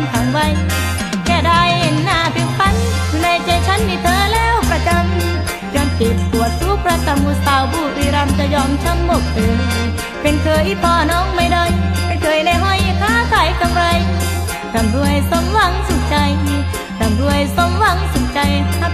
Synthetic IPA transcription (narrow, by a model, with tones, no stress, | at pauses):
nkʰa˨˦ŋwa˧j | kɛː˧˩da˧˩jhe˨nːaː˧˩pe˧npʰa˧˥nu˧na˧jt͡ɕa˧jt͡ɕʰa˦˥nmiː˧t̪ʰɤː˧lɛː˧˥˩wpʰɾa˧˩t͡ɕa˧ŋ˧ | t͡ɕa˧ŋkeː˨˩t̪̚su˨˩˦ət̪̚ːu˦˧˥pʰɾa˧k̪a˧mːuː˧˩saː˧wbuː˧˩t̪iː˧ɾa˧mt͡ɕa˧˩jɔː˧˩mt͡ɕʰa˧˥mːo˨˩k̚ʔɤː˨˧j | pe˧nk̪ʰɤː˧jʔi˧˥˩t̪ʰɔː˧˩nɔː˧˥ŋma˧˩jda˧˩jma˧jkʰɤː˧˩jna˧˩jɦɔ˧˩jk̪ʰaː˧˥˦k̪ʰaː˨˩˦jka˧mɾa˧j | ta˧˩mɾu˧əjso˧˦mwa˧˩ŋso˧˩˦nt͡ɕa˧j | ta˧˩mɾu˧˩əjso˧˥mwa˧˩ŋso˨˩˦nt͡ɕa˧ja˧